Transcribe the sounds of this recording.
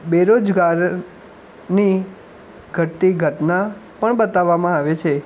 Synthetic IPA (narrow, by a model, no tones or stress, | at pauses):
beɾod͡ʒɡaɾ | ni | ɡʱəʈt̪iɡʱəʈnapəɳbət̪aʋːamãaʋet͡ʃʰe